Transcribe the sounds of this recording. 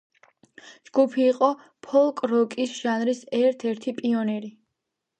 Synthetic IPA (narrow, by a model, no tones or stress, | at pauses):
d͡ʒɡupʰiːqʼɔ | pʰɔlˠkʼɾɔkʼisʒ̥anɾisɛɾt̪ʰɛɾt̪ʰipʼiɔnɛɾi